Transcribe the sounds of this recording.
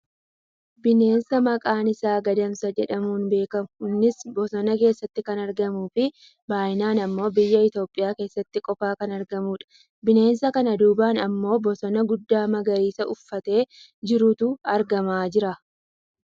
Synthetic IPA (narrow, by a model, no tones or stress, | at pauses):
bɪne̞ːnsɐmɐkʼaːnɪsaːɡɐd̪ɐmsɐd͡ʒɛᶑɐmuːnbe̞ːkɐmhʊnːɪsbɔsɔnɐke̞ːsːɐt̪ːɪkɐnɐɾɡɐmuːfɪ | baːjɪnaːnɐmːo̞ːbɪjːɐɪt̪o̞ːpʼɪjaːke̞ːsːɐt̪ːɪkʼɔfaːkɐnɐɾɡɐmuːᶑɐ̥ | bɪne̞ːnsɐkɐnɐd̪uːbaːnɐmːo̞ːbɔsɔnɐɡʊd̪ːaːmɐɡɐɾiːsɐʊfːɐt̪e̞ː | d͡ʒɪɾʊt̪ʊɐɾɡɐmaːd͡ʒɪɾɐ